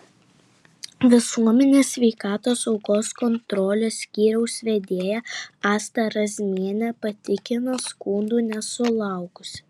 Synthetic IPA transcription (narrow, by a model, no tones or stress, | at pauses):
ʋʲɪsuɔmʲɛnʲeːsʲʋʲɛɪkɑːt̪oːsɒʊkoːskɔnt̪ɾɔlʲesʲkʲiːɾʲɛʊsʲʋʲɛd̪ʲeːjɛɑːst̪ɐɾɐzʲmʲiɛnʲɛpɐt̪ʲɪkʲɪnɐskuːnd̪uːnʲɛsʊlˠɑˑʊkʊsʲ